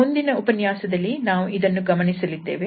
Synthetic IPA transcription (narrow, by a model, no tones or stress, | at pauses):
und̪inɐupɐnjaːsɐd̪ɐlːinaːʋuʔid̪ɐnːuɡɐmɐnisɐlid̪ːe̞ːʋe